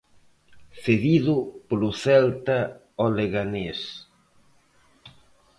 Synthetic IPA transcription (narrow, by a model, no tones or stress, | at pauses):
θeðiðʊpolʊθɛlt̪a | oleɣanes